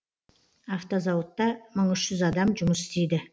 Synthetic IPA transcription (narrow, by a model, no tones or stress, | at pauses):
ɑft̪ozɑwʊt̪ːɑməɴʏʃʒʏzɑd̪ɑmʒʊməsɪ̥st̪ejd̪ɪ